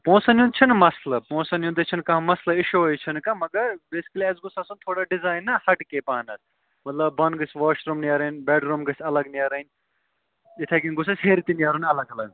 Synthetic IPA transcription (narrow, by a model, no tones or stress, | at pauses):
põːsɐnjũd̪̚t͡ʃʰɐnmɐslɐpõːsɐnjũd̪et͡ʃʰinkɐ̃ɦmɐslɐɪʃoojt͡ʃʰɐnkamɐɡɐɾbeːsi̥kɐliɐzɡʊsasɐnt̪ʰoːɽaɖizaːjnːɐhɐʈkepaːnɐs | mɐt̪lɐbːɐnɡɐsʋaːʃɾumniaɾɐnʲbɛːɖɾumɡɐsɐlɐɡniaːɾɐnʲ | it̪ʰekinɡʊs̬asʲɦeːɾit̪inijaːɾunɐlɐɡɐlɐɡ